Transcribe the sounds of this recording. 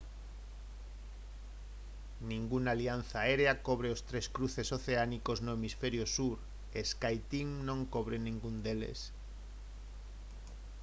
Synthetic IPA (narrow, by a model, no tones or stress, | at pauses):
nĩŋɡunalian̟θaeɾeakoβ̞ɾeost̪ɾeskɾuθesoθeanikoznoemisfeɾjosuɾ | eskajt̪iŋnõŋkoβ̞ɾenĩŋɡund̪elḛs